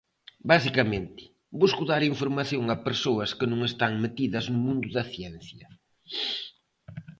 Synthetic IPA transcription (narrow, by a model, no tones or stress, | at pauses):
basikɐmẽnt̪ɪ̥ | buskʊðaɾiɱfoɾmaθjoŋɐpeɾsoɐskɪnũŋest̪aŋmet̪iðɐznʊmũnd̪ʊðɐθjɛn̟θjɐ